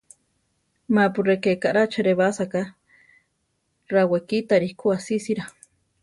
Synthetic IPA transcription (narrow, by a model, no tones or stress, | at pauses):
mapurekekaʔɾat͡ʃʰeɾeβasaka | rawekit̪aɾihkuasisiɾa